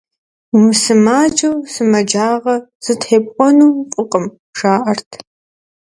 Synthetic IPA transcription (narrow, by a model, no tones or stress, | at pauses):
mɨsɨmaːd͡ʒʼɐwsɨmɐd͡ʒaːʁɐz̥ɨtħeːpʼqʷʼɔnuːqʷʼʊqʼəm | ʒaːʔɐrtʰ